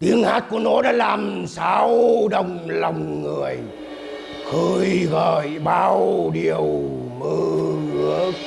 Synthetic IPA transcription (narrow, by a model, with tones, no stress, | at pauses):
t̪i˨˦əŋhaː˦˥t̚ku˧˩əno˨˦ɗa̰ː˧˥laː˨˩msaː˧˦wɗə˨˩wŋ͡mlə˨˩wŋ͡mːɨ˨˩əj | xɨː˧˩jɣəː˨˩jɓaː˧˩wɗi˨˩əwmɨ˧˩ɨ˧˦ək̚